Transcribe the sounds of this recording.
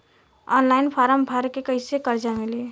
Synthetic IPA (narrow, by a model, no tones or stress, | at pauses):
ɔːnlaːɪnpʰaːɾəmbʱaɾkekəɪsekəɾd͡ʒamɪli